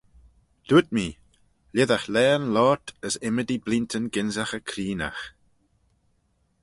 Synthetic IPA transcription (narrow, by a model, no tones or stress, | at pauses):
d̪̥ut̚miː | lɪðaxlɛːnlɔːtəsɪmədiblintʰənɡɪnzaxəkʰɾiːna̰x